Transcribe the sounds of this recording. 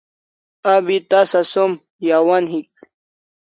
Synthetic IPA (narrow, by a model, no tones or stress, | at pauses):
ɐbit̪ɐsɐsom | jawɐnɦik̚